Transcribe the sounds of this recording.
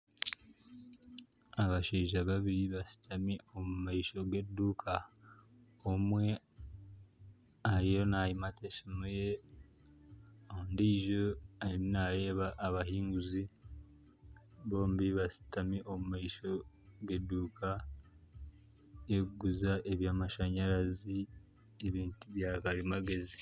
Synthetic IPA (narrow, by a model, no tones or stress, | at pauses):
aβaʃeːʒaβaβiɾiβasi̥tʰamio̞mumaiʃo̞ɡedːuːkʰa | omwe̞ | aɾijo̞najimatʰeʃimuje̞ | ondiːʒoainaje̞ːβaʔːβaɦiːŋɡuzi | βo̞ːmbiβasi̥tamiʔo̞mumaiʃo̞ | ɡe̞dːuːkʰa | eɡuzaʔe̞βjaːmaʃaɲaɾazi | eβiːntuβjaːkalimaɡe̞zi